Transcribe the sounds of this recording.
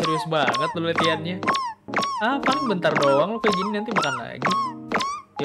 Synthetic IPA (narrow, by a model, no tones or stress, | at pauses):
t̪əɾʊsbaŋət̪̚lolet̪ianɲa | apalɪŋbənt̪ardoaŋlokaɡininant̪imakanla̰ɡi